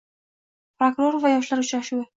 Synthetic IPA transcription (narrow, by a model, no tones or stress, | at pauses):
pɾokɾo̞ɾvajɒʃlaɾʊt͡ʃɾaʃuw